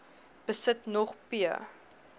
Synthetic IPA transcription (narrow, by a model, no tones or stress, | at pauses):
b̥əsətnɔχpiə̰